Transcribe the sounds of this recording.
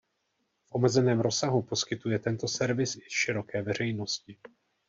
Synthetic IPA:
fʔo̞mɛzɛnɛːmɾo̞saɦupo̞skɪt̪ujɛt̪ɛnt̪o̞sɛɾvɪsɪʃɪɾo̞kɛːvɛr̝ɛjno̞scɪ

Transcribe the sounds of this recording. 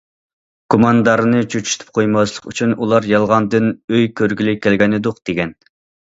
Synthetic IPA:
kʰomɑnd̪ɑɾɨnɨt͡ʃʰøt͡ʃʰy̥t̪ʰy̥p̚qʰojmɑslˠəqyt͡ʃʰynulˠɑɾjɑlˠʁɑnd̪ɨnøjkʲʰøɾɡʲilɪkʲʰɛlɡʲɛnɨd̪ʊqd̪̥eɡʲɛn

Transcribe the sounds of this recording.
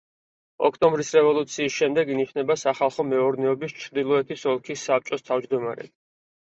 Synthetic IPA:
ɔ̰kʰt̪ʼɔmbɾisɾɛvɔlˠut̪sʰiːsʃɛmd̪ɛɡiniʃnɛbasaχalˠχɔmɛɔɾnɛɔbist͡ʃʰɾd̪ilˠɔɛt̪ʰisɔlˠkʰisːap̚t͡ʃʼɔst̪ʰavd͡ʒd̪ɔma̰ɾɛ̰

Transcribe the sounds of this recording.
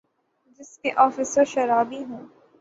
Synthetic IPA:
d͡ʒɪskeʔɔːfɪsəɾʃɐɾaːbiɦũː

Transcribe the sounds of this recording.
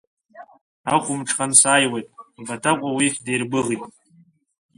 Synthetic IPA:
aχʷʊmʈ͡ʂʰʼχʼansaːjwe̞jtʼbatʰakʷʼawiχʲdejrbɨʁitʼ

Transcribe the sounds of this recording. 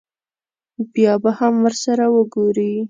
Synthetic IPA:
bjɑbahamwəɾsaɾawəɡoɾi

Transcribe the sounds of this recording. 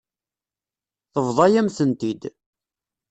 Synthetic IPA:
θəvðˤɑjæmθənt̪id̪

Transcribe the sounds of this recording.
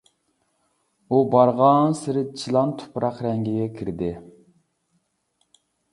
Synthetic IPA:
ubɑɾʁɑnsɪɾɪt͡ʃʰilˠɑnt̪ʰʊ̥pʰɾɑqɾɛŋɡʲiɡʲɛkʲʰiɾd̪ɪ

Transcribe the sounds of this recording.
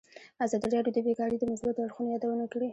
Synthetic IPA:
azɑd̪iɾɑɖjod̪əbeɡɑɽid̪əmʊsbat̪oaɽxunojɑd̪awənakɽi

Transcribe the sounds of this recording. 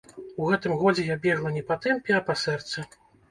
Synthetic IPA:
uɣɛt̪ɨmɣɔd͡zʲɛjabʲɛʐɐnʲɛpat̪ɛmpʲɛapasɛrt̪sɐ

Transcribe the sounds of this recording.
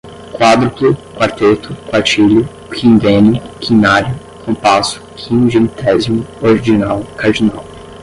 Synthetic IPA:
kwad̪ɾʊplʊkwaɾt̪et̪ʰʊkwaɾt͡ʃilʊ | kʰĩnd̪ẽnʊkʰĩnaɾjʊ | kʰõpasʊ̥kʰĩʒimit̪ʰɛzimʊoɾid͡ʒinawkʰaɾd͡ʒina̰w

